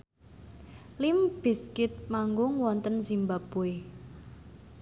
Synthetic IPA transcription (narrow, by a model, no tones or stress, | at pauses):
limb̥i̤skɪt̪̚maŋɡʊŋwɔnt̪ənsimbapue